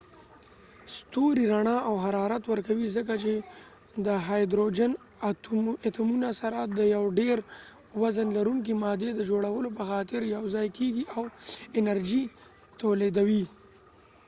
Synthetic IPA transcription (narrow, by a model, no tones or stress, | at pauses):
st̪oɾiɾaɳɑʔawɦaɾɑɾat̪wəɾkawizək̬at͡ʃe | d̪əɦɑjd̪ɾod͡ʒan | at̪munasaɾad̪əjawɖeɾ | wazənlaɾuŋk̬imɑd̪ed̪əd͡ʒoɽawəlop̬əxɑt̪ɪɾjawzɑjkeɡiʔawɪnaɾd͡ʒi | t̪oled̪awi